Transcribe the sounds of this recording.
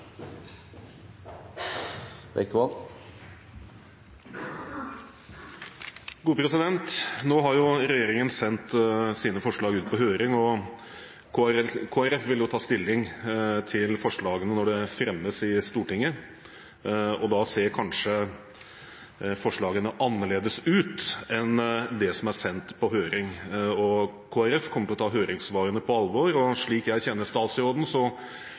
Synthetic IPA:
ʋɛ̰kːʋɑn | ɡuːəpʰɾɛsɪd̪ɛnt̪noːɦɑɾjʊɾɛjeːɾɪŋənsɛnt̪siːnəfɔʂɭɑːɡʉːt̪̚pʰɔɦøːɾɪŋɔ | kʰoːæɾɛfʋɪljʊt̪ʰɑːst̪ɪlːɪŋt̪ʰɪlfɔʂɭɑːɡənənɔɖɛfɾɛmːəsɪst̪uːʈɪŋːə | ɔd̪ɑseːɾkʰɑnʂə | fɔʂɭɑːɡənəʔɑnːəɭeːd̪əsʉːt̪ɛnd̪ɛsɔmæɾsɛnt̪pʰɔɦøːɾɪŋɔkʰoːæɾɛfkʰɔmːəʈɪlɔt̪ʰɑːɦøːɾɪŋsʋɑːɾənəpʰɔɑlʋɔɾɔʂɭiːkjæɪçɛnːəst̪ɑːt̪sɾoːd̪n̩sɔ

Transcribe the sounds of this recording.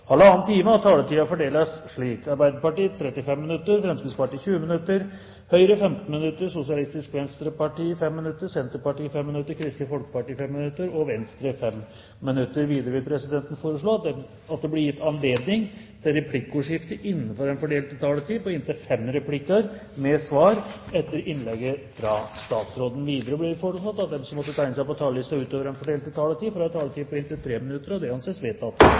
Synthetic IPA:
hɑlːəɑːnnt̪ʰiːməɑt̪ʰɑːlət̪iːɑfɔɖeːlɑsʂɭiːkɑɾbæɪd̪əɾpɑʈiːt̪ʰɾɛt̪ːɪfɛmːɪnʉt̪ːəɾfɾɛmskɪd̪spɑʈiːçʉːəmɪnʉt̪ːəɾ | hœʏɾəfɛmt̪n̩mɪnʉt̪ːəʂʊsɪɑlɪst̪ɪskʋɛnst̪ɾəpɑʈiːfɛmːɪnʉt̪ːəsɛnt̪əɾpɑʈiːfɛmːɪnʉt̪ːəɾkʰɾɪst̪əfɔlkə̥pɑʈiːfɛmːɪnʉt̪ːəɾɔʋɛnst̪ɾəfɛmː | ɪnʉt̪ːəɾʋiːd̪əɾəʋɪlpʰɾɛsɪd̪ɛnt̪n̩foːɾəʂɭoː | ɑt̪̚d̪ɛblɪɾjɪt̪ːɑnleːd̪nɪŋ | t̪ʰɪlɾɛpʰlɪkːuːʂɪft̪əʔɪnːənfɔɾɛnfɔɖeːlt̪ɪt̪ʰɑlət̪ʰiːpɔɪnt̪ɪlfɛmɾɛpʰlɪkːɑɾ | mɛsʋɑːɾɛt̪ːəɾɪnlɛɡəfɾɑst̪ɑːt̪sɾoːd̪n̩ʋiːd̪əɾəblɪɾfɔəsɑt̪ːɑt̪̚d̪ɛmsɔmːɔt̪ːət̪ʰæɪnəsæɪpɔt̪ʰɑlɪst̪oːʉːt̪øːʋəɾɛnfɔɖeːlt̪ːɪt̪ʰɑlət̪ʰiːfɾɑɛt̪ʰɑlət̪iːpɔɪnt̪ɪlt̪ʰɾeːmɪnʉt̪ːəɾɔd̪ɛɑnseːsʋeːt̪ɑt̪

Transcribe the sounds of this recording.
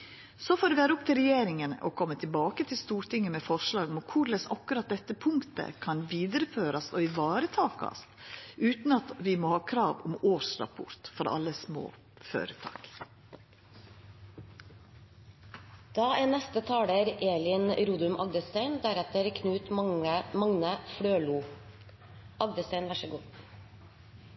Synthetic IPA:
sɔfoːɖ̪ɛʋæːɾəʊp̚t̪ʰɪlɾɛjeːɾɪŋənəʔɔkʰɔmːət̪ʰɪlbɑːkət̪ʰɪlst̪uːɾʈ̪ɪŋːəmɛfɔʂɭɑːɡɔmɔkʰʊɾlɛsɑkʉɾɑt̪̚d̪ɛt̪ːəpʰʊŋkt̪ə̰kʰɑnʋiːd̪əɾəføːɾɑst̪ɔɪʋɑːɾət̪ʰɑːkɑ̰st̪ʔʉːt̪nɑt̪ʋɪmɔhɑːkʰɾɑːʋɔmoːʂɾɑ̰pʰʊ̰ɾt̪fɔɾɑ̰lːəsmo̰ː | fø̰ːɾət̪ʰɑ̰ːk | d̪̥ɑːɛnɛst̪ət̪ʰɑːɽəɾeːlɪnɾuːd̪ʉmʔɑ̰ɡd̪əst̪æɪnd̪æɾɛt̪əɾkʰnʉːt̪mɑŋnəfɽøːluː | ʔɑɡ̚d̪əst̪æɪnʋæʂəɡuː

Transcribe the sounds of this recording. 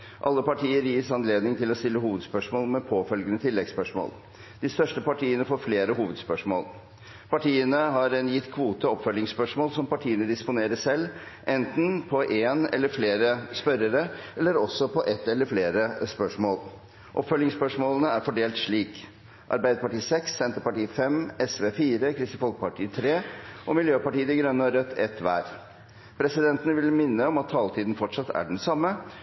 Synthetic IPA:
ʔɑlːəpɑʈʰiːəɾjiːsɑnleːd̪nɪŋt̪ʰɪlɔst̪ɪlːəɦuːʋəd̪spœʂmoːlmɛpʰoːfœlɡənət̪ʰɪlːɛɡspœʂmo̰ːl | d̪̥ɪst̪œʂʈəpɑʈʰiːənəfoːɾfleːɾəɦuːʋəd̪spœʂmo̰ːl | pɑʈiːənəɦɑɾɛnjɪt̪ːkʰʋuːt̪əɔpfœlːɪŋspœʂmoːlsɔmpɑʈʰiːənəd̪ɪspʊneːɾəsɛlːʔɛnt̪n̩pʰɔʔeːnɛ̰lːəɾfleːɾəspœɾəɾəɛlːəɾɔsːɔpʰɔʔɛt̪ːɛlːəɾfleːɾəspœʂmoːl | ʔɔpfœlɪŋspœʂmoːlənəæɾfɔɖeːlt̪ʂɭiːk | ʔɑ̰ɾbæɪd̪əpɑʈiːsɛksːɛnt̪əɾpɑʈiːfɛmɛsʋeːfiːɾəkʰɾɪst̪əfɔlkəpɑʈiːt̪ʰɾeːʔɔmɪljøːpɑʈiːəd̪ɪɡɾœnːəɔɾœt̪ʰːɛt̪ʋæ̰ːɾ | pʰɾɛsɪd̪ɛnt̪ənəʋɪlmɪnːəɔmɑt̪ʰːɑːlt̪ʰiːd̪n̩fɔʈʂɑt̪ːʰæ̰ɖɛnsɑmːə

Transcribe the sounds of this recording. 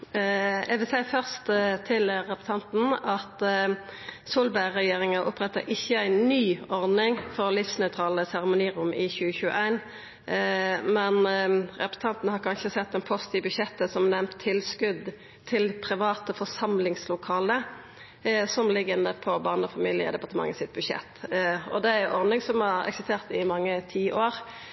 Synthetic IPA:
ɛ̰ʋɪlsæɪfœʁst̪t̪ʰɪlʁɛpə̥st̪ɑnt̪n̩ɑt̪ | sulbæɪʁɛjeːʁɪŋəʔʊpɾɛt̪ːəɾʔɪçːəæɪnyːɔʁd̪nɪŋfɔʁlɪfsnœʏt̪ʰʁɑːləsæʁəmʊniːʁʊmɪçʉːəçʉːə̰ʔæɪn | mɛnʁɛpə̥sə̥t̪ʰɑnt̪n̩əhɑʁkʰɑnʃəsɛt̪ːɛnpʰɔst̪ʰiːʋbʉʃɛt̪ːəsɔmnɛmt̪ʰːɪlskʉd̪ | t̪ʰɪlpʰʁɪʋɑːt̪əfɔʁsɑmlɪŋslʊkʰɑːlə | sɔmlɪɡənd̪əpʰɔbɑːʁnəɔfɑmiːlɪə̰d̪ɛpɑʁt̪əmɑ̰ŋːɑsɪt̪̚bʉʃɛ̰t̪ːɔd̪ɛæʔɔʁnɪŋsɔmhɑʁɛ̰ksɪst̪ʰeːʁt̪ɪmɑŋːət̪ʰiːʔoːʁ

